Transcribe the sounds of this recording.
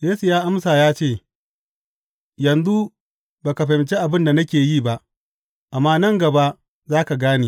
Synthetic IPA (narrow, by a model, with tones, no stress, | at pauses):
jeː˦su˨jaː˦ʔa˦msaː˨jaː˦t͡ʃeː˦˨ | jɐ˨nzu˦ | baː˨ka˨ɸa˨ɪ˨nt͡ʃe˦ʔa˨bɪ˦nda˨nɐ˦kʲeː˨jiː˦˨ba˦ʔ | ʔa˨mːaː˦nɐ˦ŋɡɐ˨ba˦ʔ | zaː˦ka˨ɡaː˦niː˨